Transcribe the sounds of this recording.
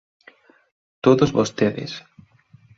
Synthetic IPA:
t̪oðozβost̪eðɪ̰s

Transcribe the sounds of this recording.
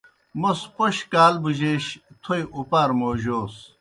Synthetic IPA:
mospoɕkaːlbuʑeɕt̪ʰojupaːɾmoːʑoːs

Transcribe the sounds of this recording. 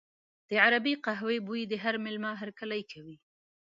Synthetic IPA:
d̪̥əʕaɾabiqaɦwebuid̪əɦaɾmɪlmɑɦaɾkalajkʰawi

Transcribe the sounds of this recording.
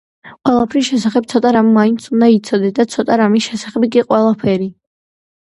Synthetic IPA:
qʼwɛlˠapʰɾisʃɛsaχɛb̪̚sʰɔt̪ʼaɾamːaint̪sund̪ait̪sʰɔd̪ɛd̪at̪sʰɔt̪ʼaɾamisʃɛsaχɛbikʼiqʼwɛlˠapʰɛɾi

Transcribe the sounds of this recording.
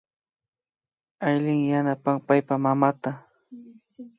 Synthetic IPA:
ajlɪŋjanapaŋpajpamamat̪a

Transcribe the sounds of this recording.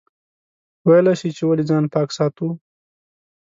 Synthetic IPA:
wajlaʃit͡ʃewalid͡zɑnpɑːksɑt̪u

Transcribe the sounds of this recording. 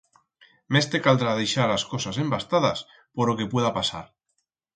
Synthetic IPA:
mest̪ekald̪ɾað̞ejʃalaskosase̞mbast̪aðas | poɾloke̞pweðapasa̰ɾ

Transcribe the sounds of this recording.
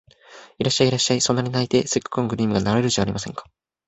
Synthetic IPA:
iɾaɕːaiːɾaɕːaiso̞nːaɾinait̪e̞sɨkːɯ̥kːõŋɡɯ̟ɾʲiːmɯ̟ɡanaɾaeɾɯ̟d͡ʑaːɾʲimasẽ̞̰ŋkḁ

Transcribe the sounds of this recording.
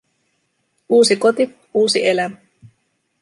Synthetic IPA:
uːsikot̪i | uːsiʔelæmæ

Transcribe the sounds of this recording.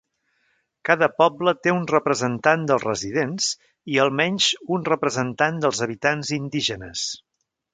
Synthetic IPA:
kaðəpɔblət̪eunrəpɾəzənt̪and̪əlˠzrəziðenz̥ | iəlˠmɛɲʲʒunrəpɾəzənt̪and̪əlˠzəβit̪anzind̪iʒənəs

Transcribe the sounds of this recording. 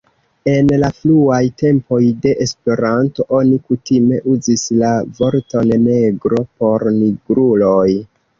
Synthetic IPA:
e̞nlafluajte̞mpo̞jde̞ʔespe̞ɾanto̞ʔo̞nikutime̞ʔuzislavo̞ɾto̞nne̞ɡɾo̞po̞ɾniɡɾulo̞j

